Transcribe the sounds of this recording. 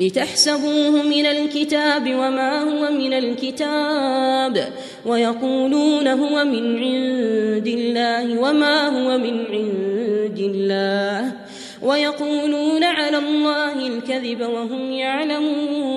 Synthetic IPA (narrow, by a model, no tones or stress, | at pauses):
lɪt̪aħsabuːhʊmɪnalkɪt̪aːbɪwamaːhʊwamɪnalkɪt̪aːb | wajɑquːluːnaɦʊwamɪnʕɪðd̪ɪlːaːhɪwamaːɦʊwamɪnʕɪnd̪ɪlːaːh | wʔajɑquːluːnaʕalaːlˤːɑːhɪlkaðɪbawaɦʊmjaʕlamuː